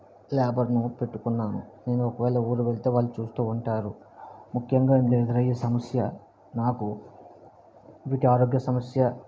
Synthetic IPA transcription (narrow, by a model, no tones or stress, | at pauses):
lɛːbɐɾnupe̞ʈːukunːaːnṵne̞ːnuɔkɐʋɛːɭɐuːɾuʋe̞ɭit̪e̞ːʋaːɭːut͡ʃuːst̪uːuɳʈaːɾu | mukʰjɐŋɡaːimd̪iɛd̪ɐɾɐjːɐsɐmɐsjɐ | naːku | ʋiːʈiaːɾo̞ːɡjɐsɐmɐsjɐ